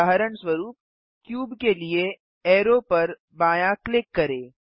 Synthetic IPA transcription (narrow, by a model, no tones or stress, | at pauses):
aːɦəɾəɳswɐɾuːp̚ | kjuːbkelie | ɛːɾopɐɾ | baːjaklɪkːɐɾeː